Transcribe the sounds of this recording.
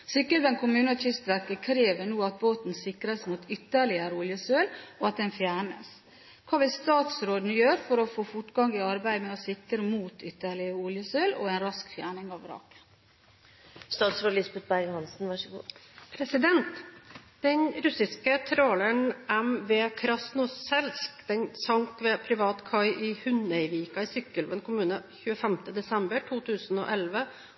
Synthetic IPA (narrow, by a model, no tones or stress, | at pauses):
sɪkːəd̪ɛnkʰʊmʉːnətʰʏst̪ʋæɾkəkʰɾeːʋənuːɑt̪̚boːt̪n̩sɪkɾəsmut̪ʰʏt̪ːəɭɪəɾʊljəsøːlɔɑt̪̚d̪ɛnfjæːɳəs | kʰɑːʋɪlst̪ɑːt̪sɾoːd̪n̩jøːɾfɔɾɔfoːfʊʈɡɑŋɪɑɾbæɪmɛɔsɪkɾəmuːt̪ʰʏt̪ːəɭɪəʊljəsøːlɔ̰ɛɪnɾɑskfjæːɳɪŋɑʋɾɑ̰ːkə̥ | st̪ɑːt̪sɾoːlɪsbɛt̪̚bæɾɡhɑnsn̩ʋɑʂəɡṵːpʰɾɛsɪd̪ɛnt̪d̪̥ɛnɾʉsɪskət̪ʰɾoːləɳɛmʋeːkʰɾɑsnuːsɛlskd̪̥ɛnsɑŋkʋeːpʰɾɪʋɑːt̪kʰɑɪʔɪhʉnæɪʋiːkɑɪsʏkːəlʋənkʊmʉːnəçʉːəfɛmt̪əd̪ɛsɛmbəʈʰuːt̪ʰʉːsno̰ːʔɛlʋə